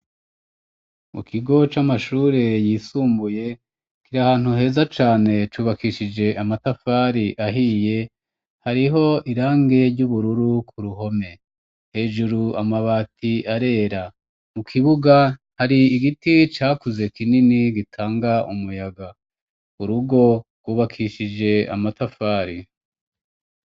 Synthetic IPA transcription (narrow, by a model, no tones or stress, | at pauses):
mṵkʰiɡo̞t͡ʃamaʃuːɾe̞jiːsuːmbuje̞ | kiɾahaːn̥huɦe̞ːzat͡ʃaːne̞t͡ʃuːβakiʃid͡ʒe̞ʔamatafaːɾiʔaɦiːje̞ | haɾiɦo̞iɾaːŋɡe̞ɾɟuβuɾuɾukʰuɾuɦo̞me̞ | he̞ːʒuɾuamaβaːtʰiaɾe̞ːɾa | mukʰiβuɡa | haɾiːɡitit͡ʃaːkuze̞kininiɡitʰaːŋɡaʔumujaɡa | uɾuɡo̞ɡwuːβakʰiʃid͡ʒe̞a̰matafaːɾi